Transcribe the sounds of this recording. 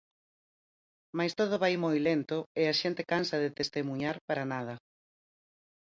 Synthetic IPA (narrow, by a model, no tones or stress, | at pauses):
majst̪oð̞ʊβajmojlent̪ʊɪaʃent̪ekansɐðet̪est̪emuɲaɾpaɾanað̞ɐ